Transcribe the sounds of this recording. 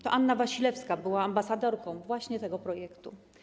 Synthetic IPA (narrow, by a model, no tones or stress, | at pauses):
t̪ɔʔanːavaɕilɛfskabɘwaːmbasad̪ɔɾkɔ̃w̃vwaɕɲɛt̪ɛɡɔpɾɔjɛkt̪ṵ